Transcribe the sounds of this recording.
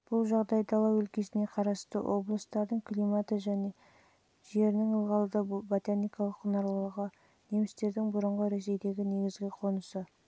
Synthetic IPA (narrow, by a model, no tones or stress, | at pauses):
b̥ʊlˠʒɑʁd̪ɑjd̪ɑlˠɑwʏlkʲe̞sɪne̞qʰɑɾɑst̪əwʔo̞blˠəst̪ɑɾd̪əɴkʲlʲimat̪əʒæne̞ | ʒe̞ɾɪnɪŋəlˠʁɑlˠəd̪ɑbot̪anijkɑlˠəqʊnɑɾllˠəʁə | ne̞mɪst̪e̞ɾd̪ɪŋbʊɾəɴʁəɾe̞s̬e̞jd̪e̞ɡʲɪne̞ɡʲɪzɡʲɪqʰo̞nəsə